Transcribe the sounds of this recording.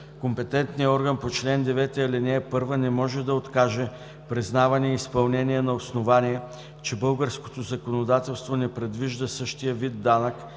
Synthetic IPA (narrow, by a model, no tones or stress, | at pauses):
kompɛt̪ɛnt̪nijəɔɾɡənpot͡ʃlɛnd̪ɛvɛt̪ɛɐlɛnɛːpɤɾvənɛmɔʒɛd̪ɐot̪kaʒɛ | pɾiznavɐnɛispɐlˠnɛniɛnɐosnovaniɛ | t͡ʃɛbɤlˠɡəɾsko̥t̪ozɐkonod̪at̪ɛlˠst̪vonɛpɾɛd̪viʒd̪əsɤʃt̪ijəvid̪ːanək